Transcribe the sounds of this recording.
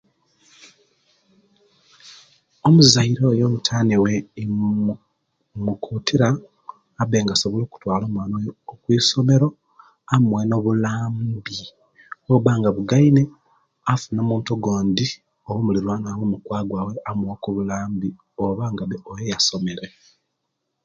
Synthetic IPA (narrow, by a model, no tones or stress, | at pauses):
omuzaiɾo̞ːjo̞βutʰaːniwe | mukʰuːtʰiɾaː | βe̞ːŋɡaso̞βolo̞ːku̥twaːlo̞ːmwaːnojoːkwiːso̞me̞ɾo̞ | amweno̞βulaːmbi | oβaːŋɡaβuɡaine | afunomuːntuɡoːndi | oβumuliɾwanaβumukwaːɡwaːwe̞amuwokuβulaːmbi | oβaŋɡaβeojejaso̞me̞ɾe̞